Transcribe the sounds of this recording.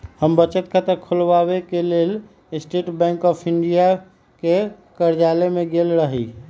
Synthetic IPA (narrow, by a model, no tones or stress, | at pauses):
həmbət͡ʃət̪kʰət̪əɾkʰulʋawekelel | sʈeʈbɛ̃ŋkɔpʰiɳɖija | ke | kəɾd͡ʒalemẽɡelɾəɦi